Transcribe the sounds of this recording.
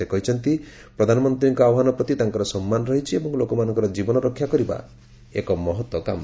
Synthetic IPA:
ekɔɦit͡ʃʰɔnt̪i | pɾɔd̪ʱanɔmɔnt̪ɾiŋkɔawɔɦanɔpɾɔt̪it̪aŋkɔɾɔsɔmːanɔɾɔɦit͡ʃʰiebɔŋlokɔmanɔ̃ŋkɔɾɔd͡ʒibɔnɔɾɔkʰːjakɔɾiba̰ | ekɔmɔɦɔt̪wɔka̰m

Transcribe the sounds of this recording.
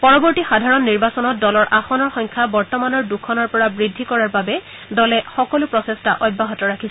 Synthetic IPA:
pɔɹɔbɔɹtixadʱaɹɔnːiɹbasɔnɔt̚dɔlɔɹʔaxɔnɔɹxɔŋkʰabɔɹtɔmanɔɹdukʰɔnɔɹpɔɹabɹidʱːikɔɹaɹbabɛ | dɔlɛxɔkɔlʊpɹɔsestaʔɔjbːaɦɔtɔɹakʰis

